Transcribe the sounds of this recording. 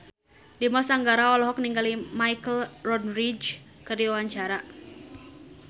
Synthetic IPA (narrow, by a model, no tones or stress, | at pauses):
dimɔsaŋɡaɾaɔlɔɦɔk̚niŋɡalimajkəlrɔnrid͡ʒ | kɨrdiuwaɲt͡ʃaɾa